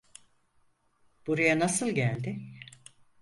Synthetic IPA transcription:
b̥uɾajanasɯlˠɟælʲd̪ɪ

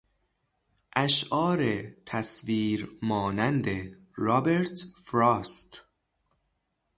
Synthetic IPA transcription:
ʔæʃʔɒːɾet̪ʰæsviːɾmɒːnænd̪e | ɾɒːbeɾt̪fɾɑːst̪

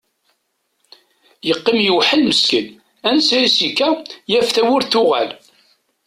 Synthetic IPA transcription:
jəqːimjəwħəlməskən | ænsæisikːæjæfθæwʊɾθʊʁæ̰l

